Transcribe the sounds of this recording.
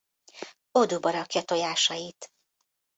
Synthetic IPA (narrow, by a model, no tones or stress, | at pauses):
o̞d̪ubɒɾɒkjɒt̪o̞jaːʃɒjit̪